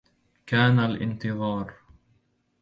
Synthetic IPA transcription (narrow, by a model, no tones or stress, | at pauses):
kaːnalʔɪ̰nt̪ɨðˤɑːɾˤ